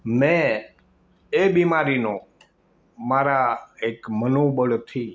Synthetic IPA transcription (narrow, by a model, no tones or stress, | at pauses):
mɛ̃ | ebimaɾinõ | maɾaekmənoɓəɭt̪ʰi